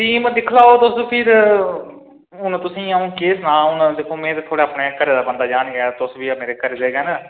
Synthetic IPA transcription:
ʈiːmd̪ɪkʰlaːoːt̪ʊspʰɪɾ | ɦʊnt̪ʊsĩːaːũːkeːsnãːʊnd̪eːkʰːoːmɛ̃ːt̪eːt̪ʰoːɽeːaːpneːkəɾeːd̪aːbənd̪aːd͡ʒaːnɡt̪ʊsbiːaːmeːɾeːkəɾeːd̪eːɡɛnː

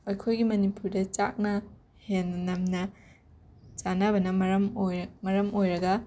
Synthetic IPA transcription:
ojkʰojɡimɐnipuɾdɐt͡ʃak̚nɐ | hennɐmnɐ | t͡ʃanɐbɐnɐmɐɾɐmojmɐɾɐmojɾɐɡɐ

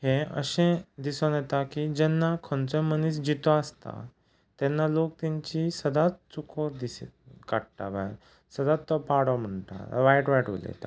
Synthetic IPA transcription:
heə̰ɕẽd̪isɔ̃nɛt̪akid͡ʑɛnːakʰɔ̃nt͡sɔmənis̬d͡ʑit̪ɔəst̪a̰ | t̪ɛnːalok̚t̪ɛ̃ɲt͡ɕisəd̪ʱat͡st͡sukʰɔd̪iskaɽʈaʋa | səd̪at͡st̪ːɔpaɽɔm̤əɳt̪a̰ʋajʈʋaʈʋo̰lḛt̪a̰

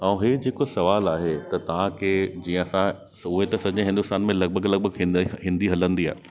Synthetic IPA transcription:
ãũɦed͡ʑeːkosɐʋaːlaːɦet̪ɐt̪ɐʋ̤ãkʰed͡ʑiːə̃ɐsã | sʊɦet̪ɐsɐd͡ʑə̃ɦɪ̃nd̪ʊst̪aːnmẽlɐɡ̚bʱəɡlɐɡ̚bʱəɡɦɪ̃nɦɪ̃nd̪iɦɐlə̃nd̪ia̰ːɦe

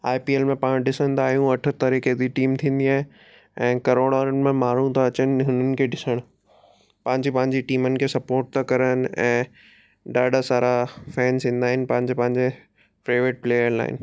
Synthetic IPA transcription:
aːjpiːeːlmẽpaːɽ̃ɗɪsə̃nd̪aːɦijũɐʈʰə̆t̪aɾiːket̪iʈiːmt̪ʰĩːn̆d̪iaːɦẽ | ɛ̃ːkɐɾoːɽaːɾənɪ̆mẽmaːɾ̤ũt̪aɐt͡ɕənɪ̆ɦʊnənɪ̆kʰeːɗɪsəɽ̃ | pɐ̃ɦɪ̃ɲd͡ʑepɐ̃ɦɪ̃ɲd͡ʑiʈiːmənɪ̆kʰeːsɐpoːɾʈ̚t̪ʰakɐɾənɪ̆ɛ̰̃ː | ɖaːɖasaːɾafɛːnzĩːn̆d̪aːɦɪnɪ̆pɐ̃ɦɪ̃ɲd͡ʑepɐ̃ɦɪ̃ɲd͡ʑe | pɾaːʋeʈ̚pleːjəɾla̰ːɦɪ̰nɪ̆

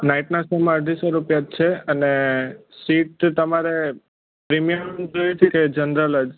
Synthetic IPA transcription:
naiʈnasəmaəɖʱisoɾupjat͡ʃʰeənesiʈ̚t̪əmaɾe | pɾimijəmd͡ʒojet͡ʃʰeked͡ʒənɾələd͡ʒ

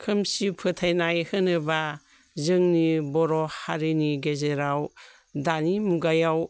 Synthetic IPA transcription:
kʰɯmsipʰɯtʰajnajhɯnɯba | zɯŋnibɔɾɔhaɾiniɡezeɾaw | danimuɡajaw

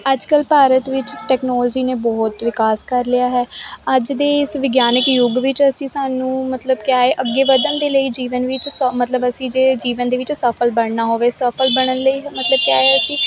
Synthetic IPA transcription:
əd͡ʒkəlpaːɾət̪ʋɪt͡ʃʈɛːknɔːld͡ʒiːneːbɔːt̪ʋɪkaːskəɾlɪjaːɦɛːəd͡ʒd̪eːɪsʋɪɡjaːnɪkjʊɡʋɪt͡ʃəsĩːsaːnũːmət̪ləbkjaːeːʔəɡːeːʋəd̪ənd̪eːləiːd͡ʒiːʋənʋɪt͡ʃsmət̪ləbəsĩːd͡ʒeːd͡ʒiːʋənd̪eːʋɪt͡ʃsəpʰəlbəɳ̃naːɦoːʋeːsəpʰəlbəɽ̃ənləiːɦmət̪ləb̚kjaːeəsĩː

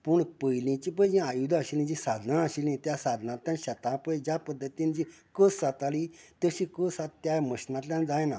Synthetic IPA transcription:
puɳpəilĩt͡ɕip̬əd͡ʑĩajud̪aɕilĩd͡ʑĩsad̪ʱnãəɕilĩt̪jasad̪ʱnãt̪ʲːãnɕət̪ãpəjd͡ʑapəd̪ʱːət̪ind͡ʑĩ | kəsat̪alit̪əɕĩkəsat̪t̪jaməɕnãt̪lʲjãnd͡zajna

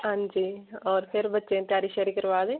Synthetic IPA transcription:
ɦãːɲd͡ʒiːɔːɾpʰɪɾbətːʃẽt̪jaːɾiːʃəɾiːkəɾʋaːd̪eː

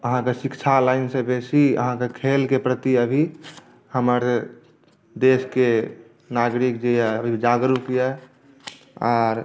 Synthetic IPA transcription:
əɦãkesikt͡ʃʰalaɪnsẽbesiə̰ɦãkekʰelkepɾət̪iəbʱi | həməɾ | d̪eske | naɡɾik̚d͡ʒeəbʱid͡ʒaɡɾukijɛ | aːɾ

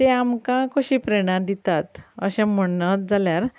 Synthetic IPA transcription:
t̪eamkãkoɕipɾeɽ̃ãd̪it̪at̪ə̰ɕɛ̃m̤əət̪d͡zaljaɾ

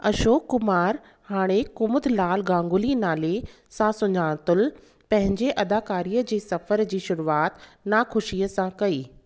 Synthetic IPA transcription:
ɐʃoːkːʊmaːɾ | haːɽ̃ekʊmʊd̪laːlɡãːŋɡʊlinaːle | sãsʊɲaːɽ̃t̪ʊl | pɐ̃ɦɪ̃ɲd͡ʑeʔɐd̪aːkaːɾiːəd͡ʑeːsɐfəɾd͡ʑiːʃʊɾuaːt̪naxʊʃiːəsãkɐiː

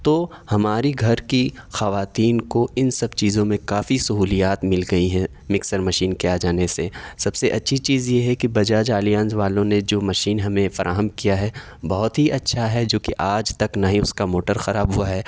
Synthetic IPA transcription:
t̪oː | hɐmaːɾiɡʱɐɾkixɐʋaːt̪iːnkoɪnsɐb̚t͡ʃiːzõmẽkaːfisɐɦuːlijaːt̪mɪlɡɐiɦɛ̃ | mɪksəɾmɐʃiːnkeaːd͡ʒaːnesesɐbseʔɐtːʃʰit͡ʃiːzjeɦɛkibɐd͡ʒaːd͡ʒaːlijãːnzʋaːlõned͡ʒoːmɐʃiːnɦɐmẽfɐɾʔaːɦəmkijaɦɛ | bɐɦʊt̪ɦiʔɐtːʃʰaɦɛd͡ʒoːkiʔaːd͡ʒt̪ɐknaɦĩʊskamoːʈəɾxɐɾaːbɦuaɦɛː

